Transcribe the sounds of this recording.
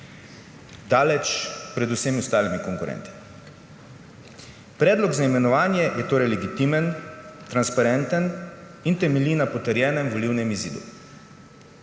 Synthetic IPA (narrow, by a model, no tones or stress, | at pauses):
d̪aːlɛt͡ʃpɾɛd̪usɛmiʊst̪aːlimikɔŋkʊɾɛ̰nt̪i̥ | pɾɛːd̪lɔɡzaimɛnɔʋaːnjɛjɛt̪oːɾɛjlɛɡit̪imɛnt̪ɾanspaɾɛnt̪ən | int̪ɛmɛliːnapɔt̪əɾjɛːnɛmʋɔliːwnɛmizḭːd̪ṵ